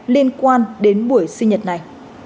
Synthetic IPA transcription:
li˧ənkwaː˧nɗe˨˦nɓu˧˩əjsï˧ŋɲə˨˩t̚na˨˩j

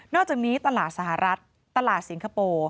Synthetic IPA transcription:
nɔː˥˩k̚t͡ɕaː˨˩k̚niː˦˥t̪a˧laː˨˩t̪̚sa˧˩ha˨˩ɾa˦˥t̪̚ːa˧laː˨˩t̪̚si˩˦nkʰa˧poː˧

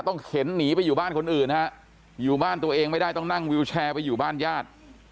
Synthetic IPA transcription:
t̪ɔ˥˩ŋkʰe˩˦nːiː˩˦˥pa˧jːuː˨˩baː˥˩nkʰo˧nʔɯː˨˩na˦˥ʔ | juː˨˩baː˥˩nt̪u˧ɐʔeː˧ŋma˥˩jda˥˩jt̪ɔ˥˩ŋna˥˩ŋwi˧wt͡ɕʰɛː˧pa˧juː˨˩baː˥˩njaː˥˩t̪̚

